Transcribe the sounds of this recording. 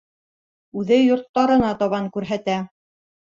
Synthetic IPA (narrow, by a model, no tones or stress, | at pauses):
ʉðɘjŏɾt̪ːɑɾɤ̆nɑt̪ɑβɑŋkʉɾɦæt̪æ